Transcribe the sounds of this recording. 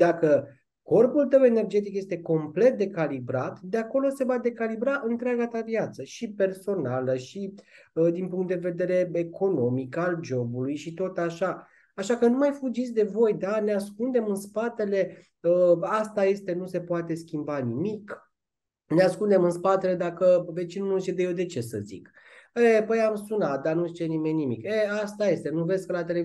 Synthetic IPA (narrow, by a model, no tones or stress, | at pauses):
d̪̥akə | ko̞rpult̪əwene̞rd͡ʒe̞t̪̬ikje̞st̪e̞ko̞mple̞t̪̚d̪e̞kalibɾat̪d̪eako̞lo̞se̞vad̪e̞kalibɾaʔɨnt̪ɾeaɡat̪aviat̪səʃipe̞rso̞naləʃid̪inpuŋkt̪d̪eve̞d̪e̞ɾe̞ekʰo̞no̞mikald͡ʒo̞bulujʃit̪o̞t̪aʃa | aʃakənumajfud͡ʒit̪sʲd̪e̞vo̞jd̪aneaskund̪e̞mɨnspat̪e̞le̞ | əast̪aje̞st̪e̞nuse̞poat̪e̞skʲimbanimik | neaskund̪e̞mɨnspat̪e̞le̞d̪akəve̞t͡ʃinunulʃid̪ejewd̪e̞t͡ʃe̞sə̰zḭk | epəjamsunat̪̚d̪anuzit͡ʃenimenʲːimikeast̪aje̞st̪e̞nuve̞sʲkəlat̪e̞le